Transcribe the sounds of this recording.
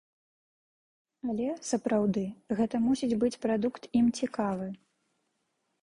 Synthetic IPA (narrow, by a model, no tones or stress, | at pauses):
ɐlʲɛsɐpɾawd̪ɨɣɛt̪ɐmusʲid͡zʲbɨt͡sʲpɾad̪ukt̪imt͡sʲikavɨ